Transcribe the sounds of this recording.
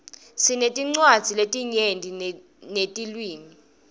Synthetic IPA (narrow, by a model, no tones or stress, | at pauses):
sinetʼiŋ͡ǀwad̥z̥ʱiletʼiɲendʱi | netʼilwiːmi